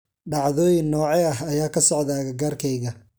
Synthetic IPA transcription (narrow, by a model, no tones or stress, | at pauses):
ɖɑʕðɔːjɪnːɔːʕɛɐɦɐjaːkʰɐsɔʕðaːɣɐɡaːrkʰɛjɣɐ